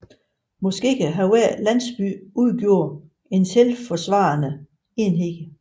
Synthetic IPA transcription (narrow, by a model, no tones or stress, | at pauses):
mɒ̽sɡ̥e̝̰ːkʰæɦæeɐ̰læn̰sb̥y̰ːʔuð̞ˠɡ̥jo̝ɐ̰ | e̝nselfɒ̽sʋɑ̈nə | e̝nɦeɡ̥ə